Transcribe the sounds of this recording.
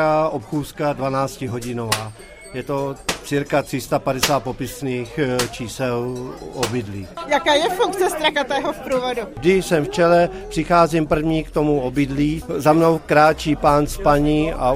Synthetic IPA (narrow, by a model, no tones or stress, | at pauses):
aʔopxuːskadvanaːt͡scɪɦo̞ɟɪnovaː | jɛt̪o̞tt͡siːɾkat̪r̥ɪst̪apadɛsaːt̪̚po̞pɪsniːxt͡ʃiːsɛlʔobɪdliːjakaːjɛfuŋk̚t͡sɛst̪ɾakat̪ɛːɦɔfpɾuːvodudɪsɛmft͡ʃɛlɛpr̝̥ɪxaːzimpr̩vɲiːkt̪omuobɪdliːzamno̞wkɾaːt͡ʃiːpaːnspaɲia